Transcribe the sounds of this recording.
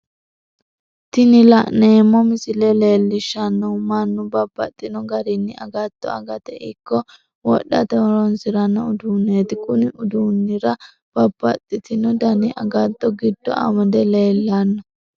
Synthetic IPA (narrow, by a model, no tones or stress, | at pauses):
t̪ɪnɪlɐ̰ʔneːmːɔmɪsɪlɛle̞ːlːɪʃːɐnːɔmɐnːʊbɐbːɐt̪ʼːɪnɔɡɐɾɪnːɪʔɐ̰ɡɐt̪ʼːɔ̰ɐ̰ɡɐt̪ɛʔɪkːɔ | wɔ̰ɗːɐt̪ɛɾɔnsɪɾɐnːɔʊd̪unːeːt̪ɪkʼʊnɪʊd̪unːɪɾɐ | b̥ɐbːɐt̪ʼːɪt̪ɪnɔd̪ɐnɪʔɐ̰ɡɐt̪ʼːɔɡɪd̪ːɔ̰ɐ̰mɐd̪ɛle̞ːlːɐnːɔ